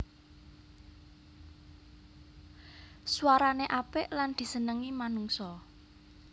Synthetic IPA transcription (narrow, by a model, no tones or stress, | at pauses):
swaɾaneʔapɪʔland̪̥i̤sənəŋimanuŋsɔ